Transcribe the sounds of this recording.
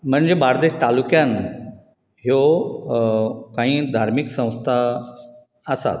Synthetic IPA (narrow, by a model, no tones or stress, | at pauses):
m̤əɳd͡zebaɾd̪eɕt̪alukjan | ɦjo | kãɦĩːd̪ʱaɾmiksə̃w̃st̪ʰa | əsa̰t̪